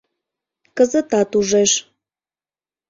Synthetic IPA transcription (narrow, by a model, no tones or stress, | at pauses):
kəzət̪ɑt̪uʒeʃ